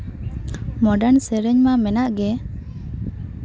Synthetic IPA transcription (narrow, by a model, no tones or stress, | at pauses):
mɔɖansɛɾɛɲmamɛnaʔɡɛ